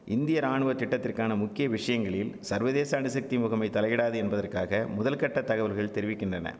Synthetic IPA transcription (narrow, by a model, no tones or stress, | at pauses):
ɪnd̪ɪjɐɾaːɳɯʋɐt̪ːɪʈːɐt̪ːɪrkaːnɐmʊkːɪjɐʋɪʂɐjɐŋɡɐɭɪlsɐɾʋɐðeːsɐaɐnɯsɐk̚t̪imʊɣɐmɐɪt̪ɐlɐjɪɽaːðɯɛnbɐðɐrkaːɣɐmʊðɐlkɐʈːɐt̪ːɐɣɐʋɐlɣɐɭt̪ɛɾɪʋɪkːɪndrɐnɐ̰